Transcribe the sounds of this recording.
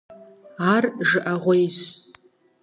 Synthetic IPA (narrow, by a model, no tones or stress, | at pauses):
arʒɨʔaʁʷejz